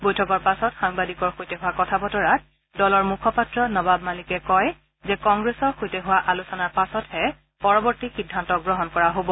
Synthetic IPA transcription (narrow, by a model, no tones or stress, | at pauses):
bojtʰɔkɔɹpasɔtxaŋbadikɔɹxojtɛɦʊwakɔtʰabɔtɔɹat̚ | dɔlɔɹmukʰɔpatɹɔnɔbabmalikɛkɔj | zɛkɔŋɡɹesɔɹxojtɛɦʊwaʔalusɔnaɹpasɔthɛ | pɔɹɔbɔɹtixidʱːantɔk̚ɡɹɔɦɔnkɔɹaɦobɔ